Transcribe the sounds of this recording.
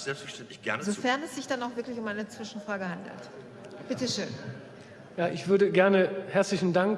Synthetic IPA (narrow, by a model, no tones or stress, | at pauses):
z̥ɛlpstfɛɐʃtɛntlɪçɡ̥ɛ̰ɐnzofɛɐnɛsz̥ɪçd̥anaʊxv̥ɪɐklɪçʊmʔaɪnət͡sv̥ɪʃn̩fʁ̥aːɡəhandl̩t | b̥ɪtəʃø̰ːn | jaːʔɪçv̥ʏɐɾəɡɛɐnəhɛɐt͡slɪçn̩daŋk